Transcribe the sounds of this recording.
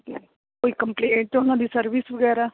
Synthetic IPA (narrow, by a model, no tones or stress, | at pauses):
ke | oːjkɐmpleːɳʈt̪unɐd̪isɐɾʋisʋɐɡɛːɾa